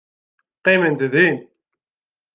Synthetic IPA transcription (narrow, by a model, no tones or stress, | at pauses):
qemənt̪ðin